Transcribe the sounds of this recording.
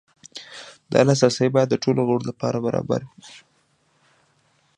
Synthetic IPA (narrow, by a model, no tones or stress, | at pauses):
d̪ɑ̰las̬ɑsəjbɑjad̪ːəʈʰoloɣəɽolapɑɾabaɾɑ̰ba̰ɾwi